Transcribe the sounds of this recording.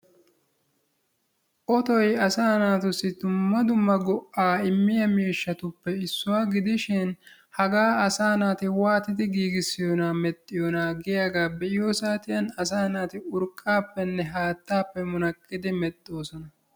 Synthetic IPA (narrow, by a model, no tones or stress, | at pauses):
ʔɔt̪ɔjɐsaːnaːt̪ʊsɪd̪ʊmːɐd̪ʊmːɐɡɔʔaːɪmːɪjɐmiːʃːɐt̪ʊpːɛɪsːʊwaːɡɪd̪ɪʃɪnhɐɡaːɐsaːnaːt̪ɪwaːt̪ɪd̪ɪɡiːɡɪsːɪjonaːmɛt̪ʼːɪjonaːɡɪjaːɡaːbɛʔɪjosaːt̪ɪjɐnɐsaːnaːt̪ɪʊɾkʼːaːpːɛnːɛɦaːt̪ːaːpːɛmʊnɐkʼːɪd̪ɪmɛt̪ʼːo̞ːsɔnɐ